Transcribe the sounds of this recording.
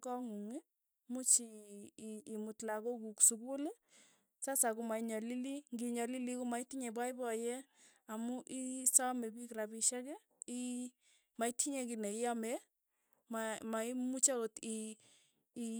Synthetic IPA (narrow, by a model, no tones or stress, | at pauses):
kɔŋuŋi | mut͡ʃiː | mutlakokuksukule | sasakumaiɲɔliliŋɡiɲɔlilikumaitiɲebaibɔjeamuʔisɔmebikɾabiʃɛkɛ | i | maitiɲekineijame | mamaimut͡ʃaotiː